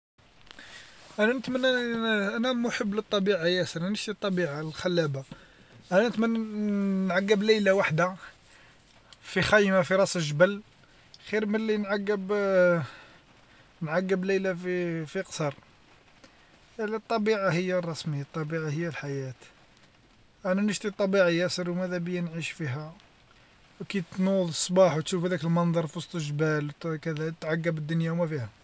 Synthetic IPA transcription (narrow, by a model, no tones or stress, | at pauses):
ʔænænət̪mənːæʔænæmuħəbːlət̪ˤːɑbiʕajæsəɾænəʃt̪it̪ˤːɑbiʕalxælːæba | ʔænænət̪mənː | ʕaɡːəblæjlawaħd̪a | fixæjmafiɾˤɑsəʒbəl | xiɾməlːinʕaɡːəb | nʕaɡːəblæjlafifiqsɑɾˤ | t̪ˤːɑbiʕahəjːarˤːɑsmiat̪ˤːɑbiʕahəjːælħajæt̪ | ʔænænəʃt̪it̪ˤːɑbiʕajæsəɾwmæd̪æbəjːænʕiʃfiɦæ | wkit̪nud̪ˤəsˤbɑħwt̪ʃufhæd̪ækəlmɑnd̪ˤɑɾˤfisˤt̪ˤəʒbælkæd̪æt̪ʕaɡːəbəd̪ːʊnjawmæfihæ